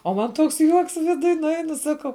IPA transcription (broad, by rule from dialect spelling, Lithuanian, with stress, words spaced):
oː ˈmɐn ˈtoːks ˈjuɔks ʋʲɪˈdʊj nʊˈɛɪnʊ ˈsɑːkɐʊ